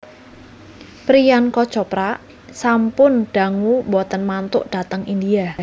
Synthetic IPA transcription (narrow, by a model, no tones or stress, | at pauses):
pɾijankɔ̥t͡ʃɔpɾaʔ | sampʊnɖ̥a̤ŋubɔt̪ənmant̪ʊʔɖ̥a̤t̪əŋind̪ia